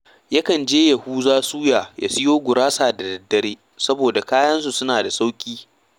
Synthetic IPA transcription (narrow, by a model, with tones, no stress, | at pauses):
jɐ˦kɐ˨nd͡ʒeː˦jɐ˨huː˦zaː˦suː˦jaː˨ja̰˨sɪ˦joː˦ɡʷʊ˨ɾaː˦saː˨da˨dɐ˨dːɐ˨ɾeː˦ | sɐ˦boː˨da˨kaː˦jɐ˦ns̬u˨sʊ˦naː˨da˨sa˦wkʲʼiː˦